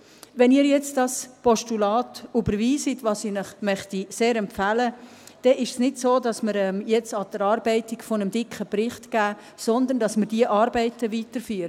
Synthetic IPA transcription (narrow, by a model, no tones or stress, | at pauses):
ʋɛniːɾjɛt͡stdɑspɔʃtulɑːtybəɾviːsitʋɑːsiːnəχmœχtiseːɾɛmpfæːlə | d̥ɛʔɪʃsnɪdsoːdɑsməɾɛmjɛt͡sɑd̥əɾɑːɾbɛɪtikfonəmd̥ɪkχəpɾɪχtɡ̥æː | sɔnd̪ənd̥ɑsməɾdiəʔɑːɾbɛɪtəʋitəɾfyːɾə